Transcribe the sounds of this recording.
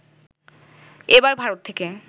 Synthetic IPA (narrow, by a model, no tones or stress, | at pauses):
ebaɾbʱaɾot̪ʰːeke